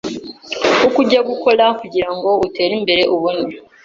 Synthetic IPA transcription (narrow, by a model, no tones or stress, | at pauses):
ukuɟaɡukʰo̞ɾakuɟiɾaŋɡo̞ute̞ːɾimbe̞ɾe̞ʔuβone